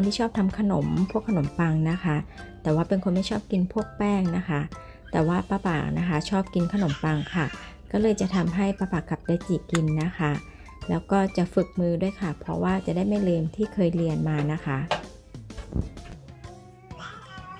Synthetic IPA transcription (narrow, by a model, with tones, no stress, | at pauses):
nt̪ʰiː˥˩t͡ɕʰɔː˥˩p̚t̪ʰa˧mkʰa˧no˨˩˦mpʰu˥˩əkʰːa˧no˩˦mpa˧ŋna˦˥kʰa˦˥t̪ɛː˨˩waː˥˩pe˧nkʰo˧nma˥˩jt͡ɕʰɔː˥˩p̚ki˧npʰu˥˩ək̚pɛː˥˩ŋna˦˥kʰa˦˥ | t̪ɛː˨˩waː˥˩paː˧pa̰ː˨˩k̚na˦˥kʰa˦˥t͡ɕʰɔː˥˩p̚ki˧nkʰa˧no˩˦mpa˧ŋkʰa˥˩ | kɔː˥˩lɤː˧jt͡ɕa˨˩t̪ʰa˧mɦa˥˩jpaː˧paː˨˩kːa˨˩p̚daː˧jt͡ɕiː˨˩ki˧nːa˦˥xʰa˦˥ | lɛː˦˥wkɔː˥˩t͡ɕa˨˩ʔfɯ˨˩k̚mɯː˧du˥˩əjkʰa˥˩pʰɾɔ̰˦˥waː˥˩t͡ɕa˨˩daː˥˩jma˥˩jlɤː˧mt̪ʰiː˥˩kʰɤː˧jli˧ənmaː˧na˦˥kʰa˦˥